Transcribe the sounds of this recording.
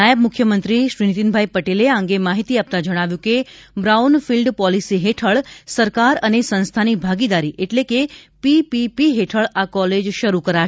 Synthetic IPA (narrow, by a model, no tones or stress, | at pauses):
ajəbmʊkʰjəmənt̪ɾiʃɾinit̪inbʱaipəʈeleãŋɡemaɦit̪iap̚t̪ad͡ʒəɽ̃aʋjũkebɾaunfilɖpɔlisiɦeʈʰəɭsəɾkaɾənesə̃nst̪ʰanibʱaɡid̪aɾiʔeʈlekepipipiɦeʈʰəɭakɔled͡ʒʃəɾukəɾa